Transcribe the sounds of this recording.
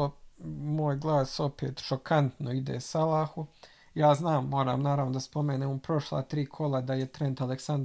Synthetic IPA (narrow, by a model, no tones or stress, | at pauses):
omoːjɡlˠaːso̞pe̞ːt̪ʃokʰant̪noid̪eːsalaːxu | jaːznaːmːo̞ːɾa̰ːmnaːɾaʋnod̪aspo̞meːnemupɾo̞ʃlˠa̰ːt̪ɾiːkʰo̞lˠad̪aje̞t̪ɾend̪aleksand̪